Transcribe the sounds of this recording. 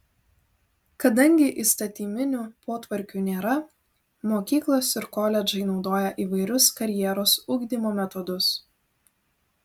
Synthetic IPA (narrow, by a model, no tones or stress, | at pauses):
kɐd̪ɐŋʲɡʲɪʔɪst̪ɐt̪ʲiːmʲɪnʲuːpoːt̪ʋɐɾʲkʲuːnʲeːɾɐ | moːkʲiːklˠoːsɪɾkoːlʲɛd͡ʒɐɪnɒʊd̪oːjɛʔiːʋɐɪɾʲʊskɐɾʲjɛɾoːsuːɡd̪ʲiːmoːmʲɛt̪ɔd̪ʊs